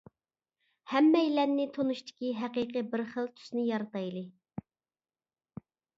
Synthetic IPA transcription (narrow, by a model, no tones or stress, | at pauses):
hɛmːɛjlɛnːɪt̪ʰonuʃt̪ʰɪ̥kʲiɦæqiqɨbɪɾχəlˠt̪ʰy̥snɪjɑɾɑt̪ɑjlˠɨ